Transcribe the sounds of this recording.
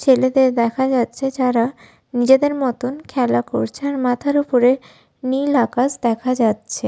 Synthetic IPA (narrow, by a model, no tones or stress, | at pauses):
t͡ɕʰeled̪eɾd̪ɛkʰad͡ʑatːɕʰed͡ʑaɾa | nid͡ʑed̪eɾmɔt̪onkʰɛlakoɾt͡ɕʰeaɾmat̪ʰaɾupoɾe | nilakasd̪ɛkʰad͡ʑatːɕʰe